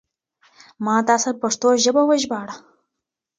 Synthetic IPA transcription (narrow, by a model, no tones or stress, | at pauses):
mɑːt̪ɑːsapaʂt̪oʒəbawəʒbɑːɽa